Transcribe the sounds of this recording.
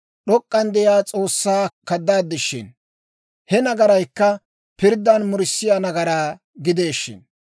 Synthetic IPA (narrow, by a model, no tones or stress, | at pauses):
ɗɔkʼːɐnd̪ɛjaːt͡sʼo̞ːsːaːkɐd̪ːaːd̪ːɪʃːɪ̰n | hɛnɐɡɐɾɐjkːɐ | pɪɾd̪ːɐnmʊɾɪsːɪjanɐɡɐɾaː | ɡɪd̪e̞ːʃːɪ̰n